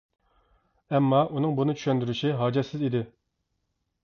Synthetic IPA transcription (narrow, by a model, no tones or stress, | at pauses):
ɛmːɑʔunɨŋbunɨt͡ʃʰy̥ʃɛnd̪yɾyʃiɦɑːd͡ʒɛt̪sːɪzid̪ɪ